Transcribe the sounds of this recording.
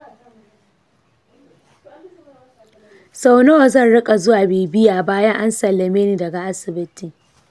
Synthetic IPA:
sa˦wnɐ˦wa˨zɐ˦˨nɽɪ˦kʼa˨zʊ˦waː˨beː˨bɪ˦jaː˨baː˦jɐ˦ŋʔa˦nsɐ˨lːɐ˨meː˦niː˨dɐ˨ɡa˨ʔa˦sɪ˨bɪ˦ti˨

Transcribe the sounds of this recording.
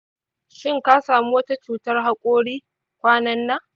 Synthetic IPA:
ʃɪ˦ŋka˦saː˨mu˦wɐ˦ta˦t͡ʃuː˨tɐ˦rɦa˦kʷʼoː˦ɽiː˦ | kʷaː˦nɐ˦nːa˦

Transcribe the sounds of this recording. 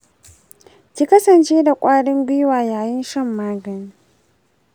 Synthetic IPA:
kʲi˦kɐ˦sɐ˨nt͡ʃeː˦da˨kʷʼaː˦ɽɪ˦ŋɡʷɪ˦waː˨jaː˨jɪ˦nʃɐ˦˨mːaː˦ɡɐ˨ni˦

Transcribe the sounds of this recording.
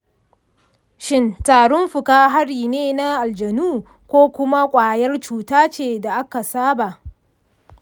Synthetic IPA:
ʃɪ˦ntaː˨ɽʊ˦mɸʊ˨kaː˦ɦa˦ɽiː˨neː˦na˦ʔa˨ld͡ʒɐ˨nuː˦ | kʷoː˦kʷʊ˦ma˦kʷʼaː˨jɐ˦rt͡ʃuː˨taː˦t͡ʃeː˨da˨ʔa˦ka˨saː˦ba˨ʔ

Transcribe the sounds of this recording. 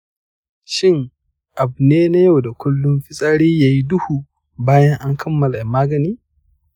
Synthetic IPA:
ʃɪ˦˨ŋ | ʔa˨bneː˦na˦ja˦wda˨kʷʊ˦lːʊ˦mɸɪ˦sʼaː˦ɽiː˦jaː˨ji˦dʊ˦hu˨ | baː˦jɐ˦ŋʔa˦ŋkʰɐ˦mːɐ˨la˨maː˦ɡɐ˨niː˦

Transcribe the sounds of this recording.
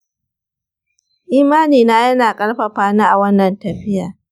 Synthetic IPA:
ʔiː˦maː˦niː˨naː˦jɐ˦naː˨kʼɐ˦ɽɸɐ˨ɸaː˦naː˦ʔa˨wɐ˦nːɐ˨ntɐ˨ɸɪ˦jaː˨

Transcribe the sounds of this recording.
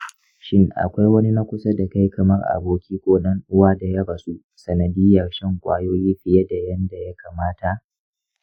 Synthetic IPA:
ʃɪ˦ŋʔa̰˨kʷa˦jwɐ˦ni˦na˦kʷʊ˦sa˦da˨ka˦jkʰɐ˨mɐ˦rʔa̰˨boː˨kʲiː˦kʷoː˦ɗɐ˦ŋʔʊ˦waː˦da˨jɐ˦ba˨su˦ | sɐ˨nɐ˨dɪ˦jːɐ˨rʃɛ˦ŋkʷʼaː˦joː˦jiː˦ɸɪ˨je˦da˨jɐ˦nda˨ja˦kaː˨maː˦ta˨ʔ

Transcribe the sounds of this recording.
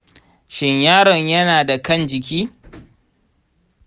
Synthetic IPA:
ʃɪ˦ɲjaː˦ɽɔ˨ɲjɐ˦naː˨da˨kɐ˦˨nd͡ʒɪ˨k̬ʲiː˦

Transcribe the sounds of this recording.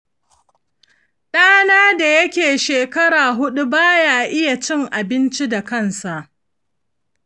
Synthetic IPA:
ɗaː˦naː˦da˨jɐ˦kʲeː˨ʃeː˨kɐ˦ɽaː˨ɦʊ˦ɗu˦baː˦jaː˨ʔɪ˦ja˨t͡ʃɪ˦ŋʔa˨bɪ˦nt͡ʃi˦da˨kɐ˦nsa˨ʔ

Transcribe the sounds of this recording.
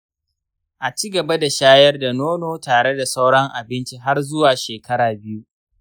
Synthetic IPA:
ʔa˨t͡ʃiː˦ɡɐ˨ba˦da˨ʃaː˦jɐ˦rda˨noː˦noː˨taː˨ɽe˦da˨sa˦wɽɐ˦ŋʔa˨bɪ˦nt͡ʃi˦ɦa˦rzʊ˦waː˨ʃeː˨kɐ˦ɽaː˨bɪ˦ju˦

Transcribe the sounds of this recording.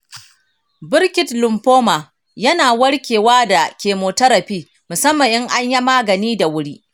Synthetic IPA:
bɪ˦ɾkʲɪ˦tlʊ˨mɸoː˦ma˨ | jɐ˦naː˨wɐ˦ɽkʲeː˨waː˦da˨kʲeː˨moː˨tɐ˦ɾɐ˨ɸiː˦ | mʊ˨sɐ˦mːɐ˨ŋʔɪ˦ŋʔa˦ɲja˦maː˦ɡɐ˨niː˦da˨wʊ˦ɽiː˦

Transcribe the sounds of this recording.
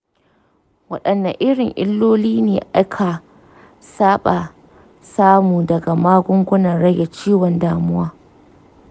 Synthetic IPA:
wɐ˦ɗɐ˨nːa˨ʔɪ˦ɽɪ˨ŋʔɪ̰˦lːoː˦liː˦neː˨ʔa˦kʰa˨ | saː˦ɓa˨ | saː˦muː˨dɐ˨ɡa˨maː˦ɡʷʊ˦ŋɡʷʊ˦nɐ˨nɽɐ˦ɡa˨t͡ʃiː˦wɔ˨ndaː˦mʊ˦waː˦

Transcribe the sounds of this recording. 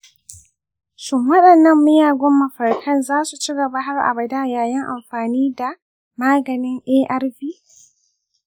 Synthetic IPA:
ʃʊ˦mwɐ˦ɗɐ˨nːɐ˦mːɪ˦jaː˨ɡʷɔ˦mːɐ˨ɸɐ˨rkʰɐ˦nzaː˦su˨t͡ʃi˦ɡɐ˨ba˦ɦa˦rʔa̰˨bɐ˨daː˦jaː˨jɐ˦ŋʔa˨mɸaː˨niː˦da˨ | maː˦ɡɐ˨nɪ˦ŋʔeː˦ʔɐ˦rɸiː˦

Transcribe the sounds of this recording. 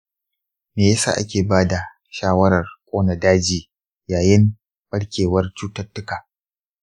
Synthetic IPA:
neː˨jɐ˦sa̰ː˨ʔa˦kʲeː˨baː˦da˨ | ʃaː˦wɐ˦ɾɐ˨rkʷʼoː˦nɐ˨daː˦d͡ʒiː˨ | jaː˨jɪ˦m | b̥ɐ˦ɽkʲʰeː˨wɐ˦rt͡ʃuː˦tɐ˦rtːʊ˦kaː˨

